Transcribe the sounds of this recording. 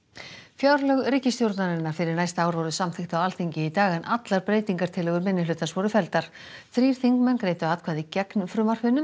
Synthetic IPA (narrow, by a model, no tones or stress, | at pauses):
fjawɾlœɣriːcɪst̪jowɾt̪naɾɪnːaɾ̥fɪɾɪɾnajst̪aːwɾvɔwɾðʏsamθɪxt̪awalθiɲcɪit̪aːɣanʔat̪laɾpɾeːjt̪iŋkaɾ̥t̪ʰɪlɛɣʏɾmɪnːɪlʏːt̪ansvɔɾʏfɛlt̪aɾ̥ | θɾiːɾ̥θiŋkmɛnkɾeːjt̪ʏaːt̪kʰvaːðicɛknfɾʏmar̥fɪnːʏm